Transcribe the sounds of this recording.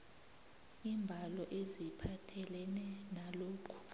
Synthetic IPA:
imbʱalɔʔezipʰatʰɛlɛnɛnaloːkʰu̥

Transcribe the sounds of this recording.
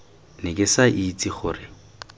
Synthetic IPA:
nɪkʼɪsaʔit͡sʼiχʊːrɪ

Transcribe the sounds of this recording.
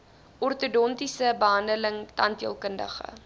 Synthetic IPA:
ʔɔrtudɔntisəbəɦɐndələŋtɐntiəlˠkəndə̰χə̰

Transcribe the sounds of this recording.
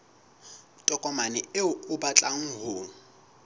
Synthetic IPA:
tʼɔkʼɔmanɪɪʊʊbat͡ɬʼaŋ̩ɦʊː

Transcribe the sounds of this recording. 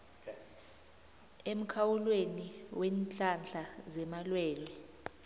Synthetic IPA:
em̩kʰawulweniwɛnt͡ɬʼand͡ɮʱazɛmalwɛːlwɛ

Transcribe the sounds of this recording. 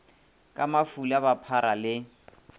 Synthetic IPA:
kʼamafulaβapʰaɾalɪ

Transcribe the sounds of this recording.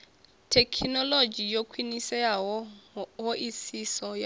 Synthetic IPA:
tʰekʰnɔlod͡ʒijokʰwinisɛa | ɦoʔisisɔja

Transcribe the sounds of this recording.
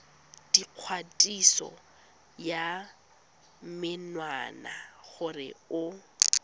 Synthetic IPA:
d̥iq͡χʰwatʼisɔ̰ | ja | mɪnwana̰χʊrɪ̰ʊ

